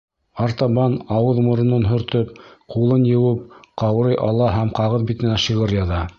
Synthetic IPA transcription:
ɑɾt̪ɑβɑnɑwɤðmŏɾ̆nɤnɦɵ̆ɾt̪ɵp̚qulˠɤnjɤ̆wɘp̚qɑwɾɤjʔɑlˠɑɦæmqɑʁɤðbit̪ɘ̆næʃɤʁɤɾjɑðɑ

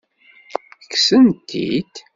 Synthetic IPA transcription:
kːsənt̪ʰːḭd̪

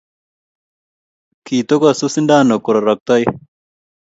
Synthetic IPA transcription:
kiːt̪okasusinɖaːnːɐkuɾɐɾɐk̚t̪ɐj

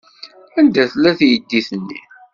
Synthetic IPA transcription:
ænd̪æθlæθjəd̪ːiθənːḭ

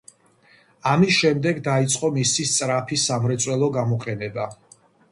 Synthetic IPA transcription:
amisʃɛmd̪ɛɡd̪ait̪sʼqʼɔmisist̪sʼɾapʰisamɾɛt̪sʼwɛlˠɔɡamɔqʼɛnɛba

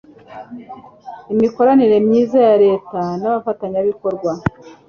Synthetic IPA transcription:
imiko̞ɾaniɾe̞mɲiːzajaɾe̞ːtanaβafataɲaβiko̞ɾɡwa

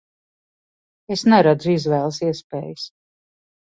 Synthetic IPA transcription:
esnɛɾad̪zuizvɛːlˠsiɛspḛːjɨs

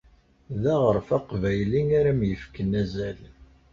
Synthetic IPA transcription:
ðæʁəɾˤfæqvæjliŋaɾæmjəfkːənæzæl

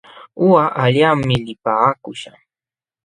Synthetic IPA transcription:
ʊwaʔaʎamːɪlɪpaːkʊʃa

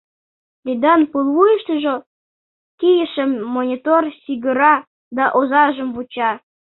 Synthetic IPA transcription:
d̪id̪ɑnpulˠβujəʃt̪əʒo | kijəʃəmːonʲit̪orsiɣəɾɑ | d̪ɑʔozɑʒəmβut͡ɕɑ

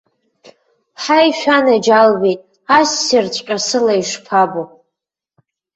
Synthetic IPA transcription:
ħajʃᶣanad͡ʒalbetʼ | asːɪrt͡ɕʷʼqʲʼasɨlaiʂpʰabo

